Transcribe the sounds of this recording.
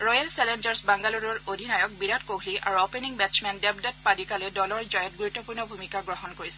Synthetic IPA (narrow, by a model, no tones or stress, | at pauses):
ɹɔjalsɛlɛnd͡ʒaɹsbaŋɡaluɹɔɹodʱinajɔk̚biɹatkoɦlia̰ɹuɔpeniŋbɛsmɛndɛbdat̚padikalɛdɔlɔɹzajɔt̚ɡuɹutːɔpuɹnɔbʱumikaɡɹɔɦɔnkoɹisɛ